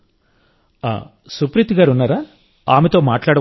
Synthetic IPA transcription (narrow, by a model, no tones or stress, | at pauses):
a̰ː | supɾit̪iɡaːɾunːaːɾaː | a̰ːmet̪o̞ːmaːʈlaːɽɐ